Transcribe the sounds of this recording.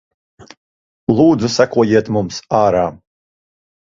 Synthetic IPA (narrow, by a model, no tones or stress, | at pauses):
lˠuːd̪zusakuɔjiɛt̪mumsaːɾaː